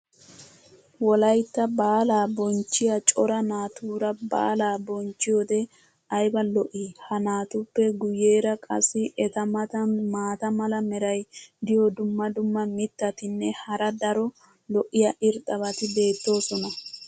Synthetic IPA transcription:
wɔlɐjt̪ːɐbaːlaːbɔnt͡ʃːɪjat͡ʃʼɔɾɐnaːt̪uːɾɐba̰ːlaːbɔnt͡ʃːɪjoːd̪ɛ | ʔɐjbɐlɔʔiːhɐnaːt̪ʊpːɛɡʊje̞ːɾɐkʼɐ̰sːɪʔɛt̪ɐmɐt̪ɐnmaːt̪ɐmɐlɐmɛɾɐjd̪ɪjɔd̪ʊmːɐd̪ʊmːɐmɪt̪ːɐt̪ɪnːɛhɐɾɐd̪ɐɾɔ | lɔʔːɪjɐʔɪɾt̪ʼːɐβɐt̪ɪbe̞ːt̪ːo̞ːsɔnɐ

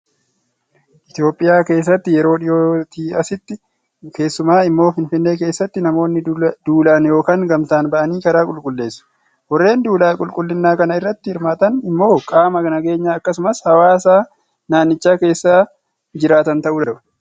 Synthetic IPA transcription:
ʔɪt̪ɪjo̞ːpʼːɪjaːke̞ːs̬ːɐt̪ːɪjɛɾo̞ːᶑɪjoːt̪iːɐsɪt̪ːɪ | ke̞ːsːʊmaːɪmːo̞ːfɪnfɪnːe̞ːke̞ːsːɐt̪ːɪnɐmo̞ːnːɪd̪̥uːlaːnjoːkaːŋɡɐmt̪aːnbɐʔɐniːkɐɾaːkʼʊlkʼʊlːe̞ːsːɐ̥ | wɔrːe̞ːnd̪uːlaːkʼʊlkʼʊlːɪnːaːkɐnɐɪrːɐt̪ːɪhɪɾmaːt̪ɐnɪmːo̞ːkʼaːmɐɡnɐɡe̞ːɲːaːɐkːɐsʊmɐshɐwaːsaː | naːnːɪt͡ʃːaːke̞ːsːaː | d͡ʒɪɾaːt̪ɐnt̪ɐʔuːd̪ɐɾbɐ̥

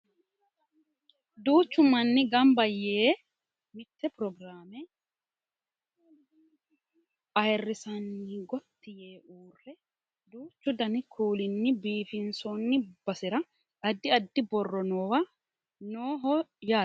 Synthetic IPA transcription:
d̪uːt͡ʃːʊmɐnːɪɡɐmbɐjːeː | mɪt̪ːɛpɾɔɡɾaːmɛ | ʔɐjrːɪsɐnːɪɡɔt̪ːɪjeːʔuːrːɛ | d̪uːt͡ʃːʊd̪ɐnɪkʰuːlɪnːɪbiːfɪnsɔnːɪbɐsɪɾɐ | ʔɐd̪ːɪɐd̪ːɪbɔrːɔnoːwɐ | noːɦɔjaː

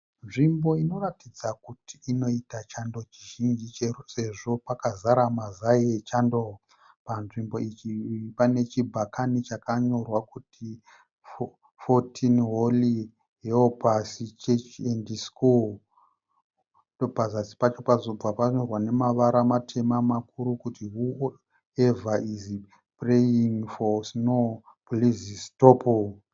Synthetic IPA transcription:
nʐimbo̞ino̞ratid͡zakutʰiino̞itat͡ʃando̞t͡ʃiʒind͡ʒit͡ʃese̞ʐo̞pakazaɾamazaet͡ʃando | panʐimbo̞it͡ʃipane̞t͡ʃibʱakʰanit͡ʃakaɲo̞rwakuti | fotʰinɦoli | ɦeopasit͡ʃet͡ʃendiskul | dopazasi̥pat͡ʃo̞pazo̞b͡vapaɲo̞rwane̞maʋaɾamatʰe̞mamakuɾukutiɦu | evaiz | prejiŋfosno | poliziztopo

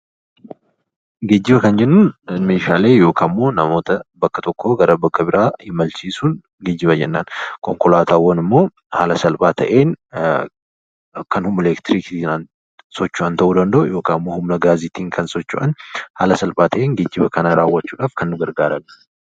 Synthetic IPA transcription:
ɡeːd͡ʒːɪbɐkɐnd͡ʒɛnːunmeːʃaːle̞ːjo̞ːkʰaːmːo̞ːnɐmo̞ːt̪ɐbɐkːɐt̪ɔkːoːɡɐɾɐbɐkːɐbɪɾaːhɪmɐlt͡ʃiːsuːn | ɡeːd͡ʒːɪβɐd͡ʒɛ̰nːaːnkɔŋkɔlaːt̪aːwːɐnɪmːo̞ː | ha̰ːlɐsɐlpʼaːt̪ʰɐ̰ʔe̞ːn | kɐnhʊmːɐleːkt̪ɪɾiːk̪inɐn | sɔt͡ʃːʊʔɐnt̪ɐʔuːd̪ɐnd̪ɐʔʊ̰jo̞ːkaːmːoːhʊmnɐɡaːzɪt̪iːŋkʰɐnsɔt͡ʃːʊ̰ʔɐ̰nha̰ːlɐsɐlpʼaːt̪ʰɐʔe̞ːŋɡeːd͡ʒːɪbɐkɐnaɾaːwːɐt͡ʃːuːᶑaːfkʰɐnːʊɡɐɾɡaːɾɐnːɐ

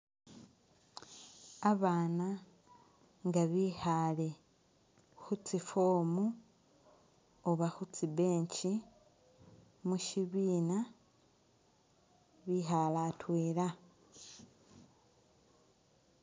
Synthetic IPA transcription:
aβaːna | ŋɡaβihale̞ | xut͡sifomu | oβaxut͡sibe̞ːɲt͡ʃi | muʃiβiːna | βiɦalatweːla

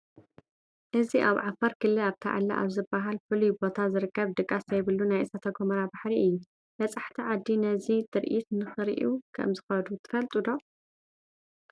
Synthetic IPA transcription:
ʔɨziʔaβʕafɐɾkʰɨlːɨlaβt̪ʰa̰ʕa̰lːa̰ʔa̰βzɨbaɦalfɨlujbo̞t̪ʰazɨɾɨkʰːɐβd̪ɨkʼːasɐjβɨlːunajʔɨsat̪ʰɐɡomɐɾabaħɾiʔɨjːu | b̥ɐt͡sʼaħt̪ʰiʕad̪ːinɐzit̪ʰɨɾʔit̪nɨxɨɾʔukʰɐ̰mzɨxɐd̪ut̪ʰɨ̥fɐlt̪ʼud̪o̞

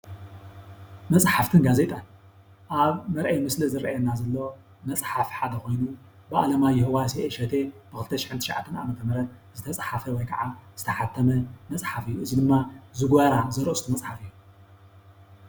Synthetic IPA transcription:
mɐt͡sʼħaft̪ʰɨnɡaze̞t̪ʼan | ʔaβmɐɾʔɐjmɨslizɨɾʔajɛnazɐlːo̞ | mɐt͡sʼħafħad̪ɐko̞jnu | bɨʔalɐmajːɪhɨwasieʃɐt̪ʰe̞b̥ɨxɨlt̪ʰɐʃɪħɨnt̪ʰɨʃʕa̰t̪ʰːɐnʔa̰mɐt̪ʰɐmɐɾɐt̪̚z̥ɨt̪ʰɐt͡sʼħafɐwɔjkʰɐʕaz̥ɨt̪ʰɐħat̪ʰːɐmɐmɐt͡sʼħafɨijːuɨzid̪ɨmːazɨɡβaɾazɐɾost̪ʰumɐt͡sʼħafɨjːu

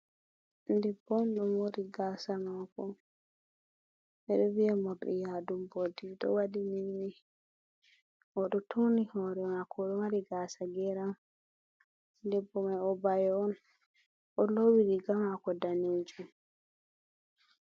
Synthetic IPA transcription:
ndɛbːɔmɗɔmoɾiɡaːsamakɔ | ʔɛɗɔvijamɔɾɗɛ̰jadumbodiɗɔ̰wadiminwi | ɔɗɔtʰonihɔɾɛmakʰɔɗɔwaɾiɡaːsaɡɛɾam | ndɛbːɔmajɔbajɔɔn | ʔɔlowiɾiɡamakɔdaniːd͡ʒum

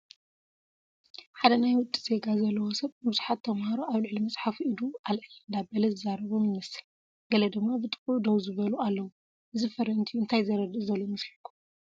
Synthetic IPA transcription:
ħad̪ɐnajwʊt̪ʼːiz̥e̞ɡazɐlːɐwosɐβɨbɨzuħat̪ʰːɐmhaɾoʔaβlɨʕlimɐsʼħafuʔid̪ualʕɨlɨnd̪abɐlɐzɨzːaɾɐβomɨnːɨsɨ̥l | ɡɐlɐd̪ɨɡmabɨt̪ʼɨ̥kʼud̪ɐwzɨβɐlualːɐwu | ʔɨzifɐɾɐnt̪ʰiuɨnt̪ʰajzɐɾɐd̪ɨzɐlomɨslikʰːu̥

